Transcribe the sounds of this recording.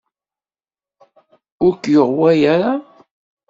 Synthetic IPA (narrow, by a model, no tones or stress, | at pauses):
ʊɾkːjoʁwæjaɾa